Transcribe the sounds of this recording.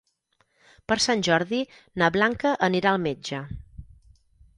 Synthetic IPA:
pəɾsanʲʒɔɾði | naβlaŋkəʔəniɾaəlˠmed͡ʒə

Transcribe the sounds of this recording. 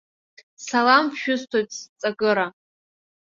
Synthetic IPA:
salampʰʃᶣʊstʰojtʰʼst͡sʼaɡɨɾa

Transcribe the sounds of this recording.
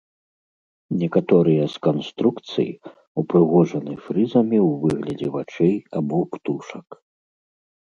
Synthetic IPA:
nʲɛkat̪ɔɾɨjɐskanst̪ɾukt̪sɨ̰j̰ | upɾɨɣɔʐɐnɨfɾɨzɐmʲiwvɨɣlʲɐd͡zʲɛvat͡ʂɛjabɔpt̪uʂɐk

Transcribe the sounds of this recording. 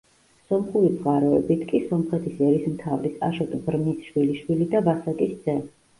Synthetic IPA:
sɔmχuɾizʼʁaɾɔɛbit̪ʰkʼisɔmχɛt̪ʰisɛɾismt̪ʰavɾisaʃɔt̪ʼbɾnisʃwiliʃwilid̪avasak̪ʼisd̪z̥ɛ

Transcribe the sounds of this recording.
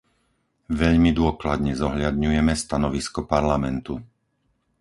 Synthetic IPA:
ʋɛʎmid̪ʊɔklad̪ɲɛzɔɦʎad̪ɲujɛmɛst̪anɔʋiskɔpaɾlamɛnt̪u

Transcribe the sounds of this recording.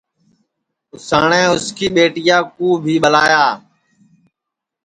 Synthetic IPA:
ʊsaːɳɛ̃ːʊskiːɓeːʈɪjaːkuːbʱiːɓəlaːjaː

